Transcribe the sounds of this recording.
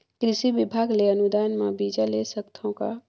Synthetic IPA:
kɾɪʃibibʱaɡleənud̪aːnmã̰bid͡ʒalesəkt̪ʰõka̰

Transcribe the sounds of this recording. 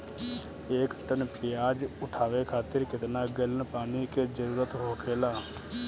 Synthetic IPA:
eːkʈənpɪjaːd͡ʒʊʈʰaːʋeːkʰaːt̪ɪɾkɪt̪naːɡɪlənpaːniːked͡ʒəɾuːɾət̪ɦoːkʰeːlaː

